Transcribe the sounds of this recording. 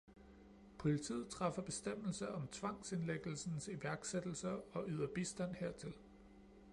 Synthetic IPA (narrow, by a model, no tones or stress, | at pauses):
pʰo̝lit͡sʰḭːð̩ˠt͡sʰʁɑ̈fɐb̥e̝sd̥em̰l̩sɐɒ̽mt͡sʰʋɑ̈ŋ̰se̝nleɡ̥l̩sn̩siʋæɐɡ̥sed̥l̩sɐɒ̽ʔyð̰ˠɐb̥isd̥æn̰heɐ̰t͡sʰe̝l